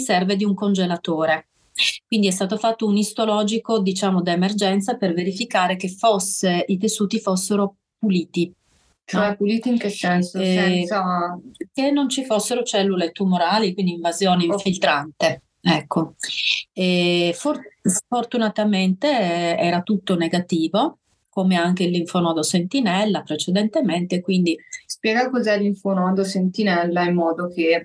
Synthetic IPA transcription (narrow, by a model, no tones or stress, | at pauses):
misɛrved̪iuŋkond͡ʒelat̪oːɾe | kwind̪iɛst̪aːt̪ofat̪ːounist̪olɔːd͡ʒikod̪it͡ʃaːmod̪emerd͡ʒɛnt̪saperveɾifikaːɾekefosːeʔit̪esuːt̪ifosːeɾo | puliːt̪i | t͡ʃoɛpuliːt̪iiŋkesɛnso | kenːont͡ʃifosːeɾot͡ʃɛlːulet̪umoɾaːlikwind̪iɱvazjoːneiɱfilt̪ɾant̪e | ɛkʰːo | ɛfosfort̪unat̪ament̪eɛːɾat̪ut̪ːoneɡat̪iːvo | komeaŋkelːiɱfonɔːd̪osent̪inɛlːapɾet͡ʃed̪ent̪ement̪ekwind̪ispjɛːɡakozɛlːiɱfonɔd̪osent̪inɛlːaimːɔːd̪oke